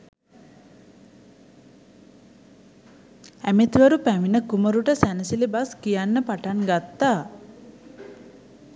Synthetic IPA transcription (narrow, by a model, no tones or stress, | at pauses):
æmit̪ʋəɾupæʋinəkuməɾuʈəsænəsilibaskijanːəpaʈanɡat̪ːa